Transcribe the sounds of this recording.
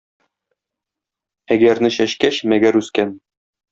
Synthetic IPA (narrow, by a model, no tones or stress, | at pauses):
æɡæɾnɘɕæʃkæɕmæɡæɾʉskæn